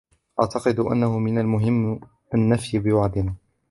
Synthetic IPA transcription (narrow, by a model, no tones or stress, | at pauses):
ʔaʕt̪ɑqɨd̪ʔa̰nːahʊmɪnalmʊɦɪmː | ʔanːafjɪbɪwaʕd̪ɪnaː